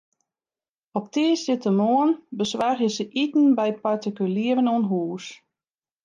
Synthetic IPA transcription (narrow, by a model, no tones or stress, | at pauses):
ɔp̚tiəsdɪtəmoənbəsʋarjəsəʔitn̩bɛjpartikyliəvənuənɦuːs